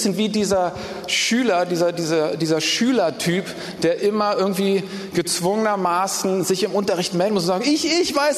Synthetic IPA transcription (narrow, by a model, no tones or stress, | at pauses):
sənviːdiːzɐ | ʃyːlɐdiːzɐdiːzɐdiːzɐʃyːlɐtʰyːp | d̥eːɐʔɪmɐʔɪɐɡŋ̩tv̥iː | ɡ̥ət͡sv̥ʊŋənɐmaːsn̩zɪçɪmʊntɐʁɪçtmɛldn̩mʊs̬ʊnzaːɡŋɪçɪçvaɪs